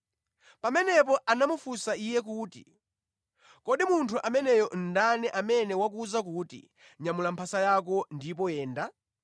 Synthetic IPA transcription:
pamɛnɛp̬ɔʔanamufusaijɛk̬uːtḭ | kɔɗimuntʰuʔamɛnɛjɔn̩danɛʔamɛnɛwak̬uzak̬uːtḭ | ɲamulampʰasajak̬ɔndipɔjɛːnda

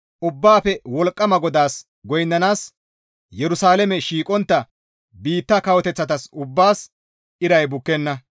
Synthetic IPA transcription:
ʔʊbːaːpɛwɔlkʼːɐmɐɡɔd̪aːs | ɡɔjnːɐnaːs | jɛɾʊsaːlɛmɛʃiːkʼɔnt̪ːɐ | biːt̪ːɐkɐwɔt̪ɛt͡sːɐt̪ɐsʊbːaːs | ɪɾɐjbʊkːɛnːɐ

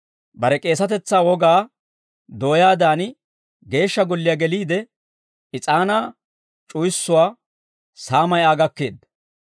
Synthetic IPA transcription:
bɐɾɛkʼe̞ːs̬ɐt̪ɛt͡sːaːwɔɡaː | d̪o̞ːjaːd̪aːn | ɡe̞ːʃːɐɡɔlːɪjaɡɛliːd̪ɛ | ɪt͡sʼaːnaː | t͡ʃʼʊjɪsːʊwaː | saːmɐjaːɡɐkːeːd̪ːɐ

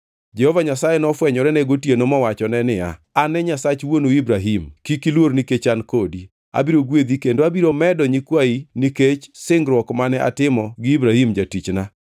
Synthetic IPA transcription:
d͡ʒɛhɔvaɲasajɛnɔfwɛɲɔɾɛnɛɡotjenomɔwat͡ʃɔnɛnɪja̰ | anɛɲasat͡ʃwonoibɾaɦimkikilwoɾniket͡ʃankodi | a̰biɾoɡwed̪ikendoabiɾomɛdɔɲikwainiket͡ʃsɪŋɡɾwɔkmanɛʔa̰tɪmɔɡɪibɾahimd͡ʒatit͡ʃna

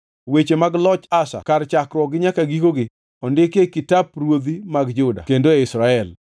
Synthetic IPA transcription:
wet͡ʃemaɡlɔt͡ʃasa̰kaɾt͡ʃakɾwɔɡɪɲakaɡikoɡɪ | ɔndɪkekɪtaprwod̪imaɡd͡ʒʊda̰kendoɛɪsɾaɛl

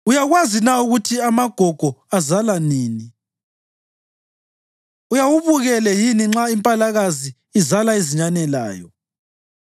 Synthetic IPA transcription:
ujaɣwazinauɣutʰiamaɡ̥ʱɔɡ̥ʱɔazalaniːni | ujawuβuɣɛlɛjiniŋ͡ǁaimpʼalaɣazi | izalaiziɲanɛla̰ːjɔ̰

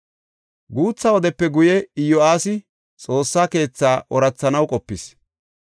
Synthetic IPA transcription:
ɡuːt͡sːɐwɔd̪ɛpːɛɡʊjɛɪjɔaːsɪ | t͡sʼo̞ːsːaːke̞ːt͡sːaːʔɔɾɐt͡sːɐnɐwkʼɔpːɪs

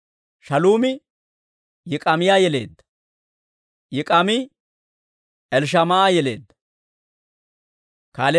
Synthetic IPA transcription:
ʃɐluːmɪ | jɪkʼɐmɪjaːjɛle̞̰ːd̪ːɐ̥ | jɪkʼɐmɪ | ʔɛlʃ̬ɐmaaːjɛle̞̰ːd̪ːɐ̥ | kaːlɛ

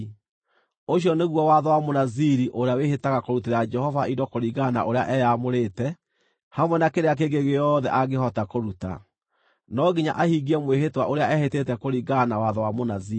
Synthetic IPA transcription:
oɕjɔneɣwɔwaðɔwamonaziɾiʔoɾeawehetaɣakoɾuteɾad͡ʒɛhɔvaidɔkoɾiɣana̰ʔoɾea̰ʔɛjamoɾeːtɛ | hamwɛnakeɾeak̬eɡeɣejɔðɛʔaɡehɔtakoɾuta̰ | nɔɡiɲaʔahiɡiɛmwehetwaʔoɾeaɛhetetɛkoɾiɡanawaðɔwamonazi

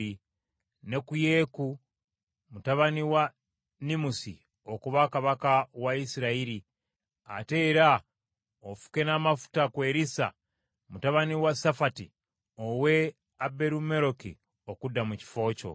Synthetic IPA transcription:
i | ne̞kuje̞ku | mutaβaniwa | nimusḭ | o̞kuβakaβakawaisiɾaiɾi | a̰te̞ɾa | ofu̥ke̞namafu̥takwe̞ːɾisa̰ | mutaβaniwasafati | owe̞ | abe̞ɾume̞ɾo̞kḭ | o̞kudːamuci̥fo̞ːco̞̰

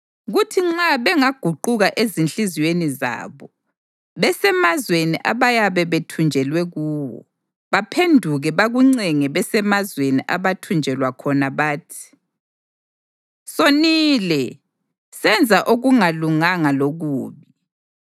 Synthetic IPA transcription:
ɣutʰiŋ͡ǁaβɛŋaɡ̥ʱuǃuɣaʔezinɬiziweniza̰ːβɔ | βɛsɛmazweniʔaβajaβɛβetʰund͡ʒʱɛlwɛɣuːwɔ̰ | βapʰendʱuɣɛβaɣuŋ͡ǀɛŋɛβɛsɛmazweniʔaβatʰund͡ʒʱɛlwakʰɔnaβaːtʰi̥ | soniːlɛ | sɛnd͡zʱaʔoɣuŋaluŋaŋaloɣuːβi

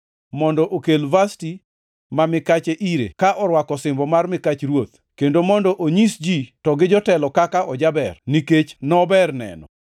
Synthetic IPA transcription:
mɔndɔʔokelvasti | mamɪkat͡ʃeʔiɾḛkaʔɔɾwakɔsɪmbɔmarmɪkat͡ʃɾwot̪ | kendomɔndɔʔoɲisd͡ʒitɔɡɪd͡ʒɔtɛlɔkakaʔɔd͡ʒabɛrniket͡ʃnɔbɛrnɛ̰nɔ̰

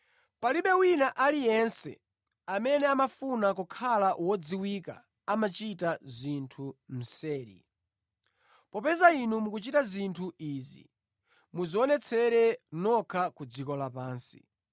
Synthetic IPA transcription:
paliɓɛwinaʔalijɛnsɛ̰ | amɛnɛamafunakukʰalawɔd͡ziwika̰ | amat͡ʃitazintʰum̩sɛːɾḭ | pɔpɛzainumukut͡ʃitazintʰuiːzḭ | muziɔnɛt͡sʰɛɾɛnɔkʰakud͡zikɔlapaːnsḭ

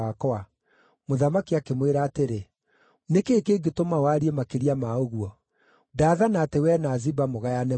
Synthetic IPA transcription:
akɔa | moðamakiakemweɾaːteɾe | nekeːkeːɡetomawaɾiemakeɾiamaoɣwɔ | daːðanaːtewɛnazibamoɣajanɛ

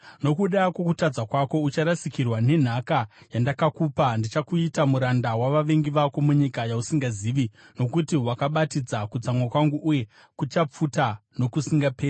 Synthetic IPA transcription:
no̞kuɗakwo̞kutad͡zakwako̞ut͡ʃaɾasikirwane̞n̤akajandakakuːpandit͡ʃakuitamuɾandawaʋaʋe̞ŋɡiʋako̞muɲikajausiŋɡaziːʋi | no̞kutiwakaɓatid͡zakut͡samwakwaŋɡuʔuje̞ | kut͡ʃap͡futano̞kusiŋɡapeːi

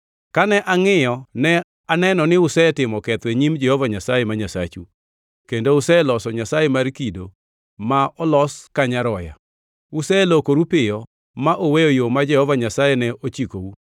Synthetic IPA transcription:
kanɛʔaŋɪjɔnɛ | anɛnɔnɪʊsɛtɪmɔkɛt̪weɲimd͡ʒɛhɔvaɲasajɛmaɲasa̰t͡ʃu | kendoʊsɛlɔsɔɲasajɛmaɾkido | maɔlɔskaɲaɾɔja̰ | ʊsɛlokoɾupɪjɔ | maʔowejojomad͡ʒɛhɔvaɲasajɛnɛot͡ʃikou

